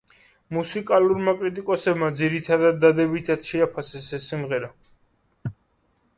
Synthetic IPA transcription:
musikʼaluɾmakʼɾit̪ʼikʼɔsɛbmad̪ziɾit̪ʰad̪ad̪ːad̪ɛbit̪ʰat̪ʃɛapʰasɛsɛsːimʁɛɾa

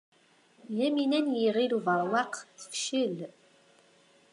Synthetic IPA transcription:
jæminænjiʁiluvəɾˤwɑqθə̥fʃəl

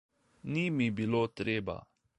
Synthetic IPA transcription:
nimibiloːt̪ɾeːba̰

